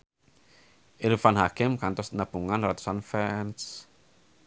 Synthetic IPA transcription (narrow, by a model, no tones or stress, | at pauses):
elufanɦakimkant̪ɔsnab̥uŋanrat̪u̥sanfɛns